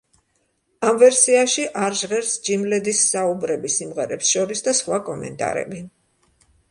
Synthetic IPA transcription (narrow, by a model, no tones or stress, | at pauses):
amvɛɾsiaʃiʔaɾʒʁɛɾsd͡ʒimlɛd̪isːaubɾɛbisimʁɛɾɛpsʃɔɾisd̪asχwakʼɔmɛ̰nt̪ʼa̰ɾɛ̰bi